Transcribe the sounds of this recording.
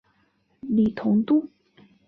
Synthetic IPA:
li˨˩t̪ʰʊ˧˥ŋt̪u˥˨

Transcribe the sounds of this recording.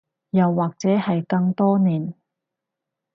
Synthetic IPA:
jɐ˨wːaː˨˩k̚t͡sɛː˨˥hɐ˨jkɐ˧ŋt̪ɔː˥niː˨˩n

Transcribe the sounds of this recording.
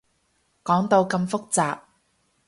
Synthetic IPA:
kɔː˨˥ŋt̪o˧wkɐ˧mfʊ˥k̚t͡saː˨p̚

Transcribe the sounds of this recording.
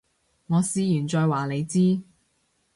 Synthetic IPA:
ŋɔː˨˧siː˧jyː˨˩nt͡ʃɔː˧jwaː˨le˨˧jt͡siː˥

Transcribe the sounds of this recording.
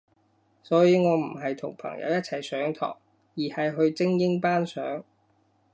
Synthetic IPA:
sɔː˨˥jiː˨˧ŋɔː˨˧m̩˨˩ɦɐ˨jt̪ʰʊ˨˩ŋpʰɐ̰˨˩ŋjɐ̰˧wjɐ˥t̚t͡sʰɐ˨˩jsœː˨˥ŋt̪ʰɔ̰ː˨˩ŋ | jiː˨˩hɐ˨jɦɵ˧ɥt͡sɪ˥ŋjɪ˥ŋpaː˥nsœː˨˥ŋ

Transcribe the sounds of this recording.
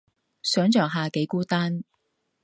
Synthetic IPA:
sœː˨˥ŋt͡ʃœː˨ŋɦaː˨ke˨˥jkuː˥t̪aː˥n

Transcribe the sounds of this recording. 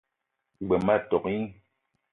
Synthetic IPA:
ɡ͡be˨ma˦˨tɔ˨ki˦

